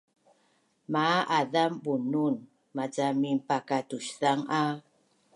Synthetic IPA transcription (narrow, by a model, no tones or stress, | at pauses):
maʔaðambunun | mad͡ʒamimpakatuɕθaŋa